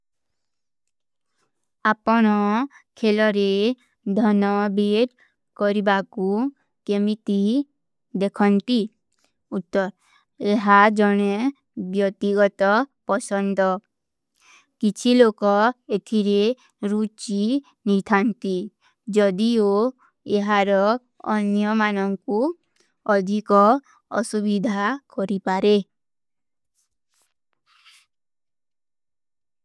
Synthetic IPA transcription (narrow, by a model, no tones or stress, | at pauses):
apɔɽ̃ɔ | kʰelɔɾe | d̪ʱɔnɔbeɾ | kɔɾibaku | kemit̪i | d̪ekʰɔnt̪i | ut̪ːɔɾ | eɦad͡ʒɔɽ̃e | bjɔk̚t̪iɡɔt̪ɔpɔsɔnd̪ɔ | kit͡ʃʰilokɔet̪ʰiɾe | ɾut͡ʃi | nit̪ʰant̪i | d͡ʒɔd̪io | eɦaɾɔ | ɔnjɔmanɔŋku | ɔd̪ʱikɔ | ɔ̰subid̪ʱakɔɾipaɾe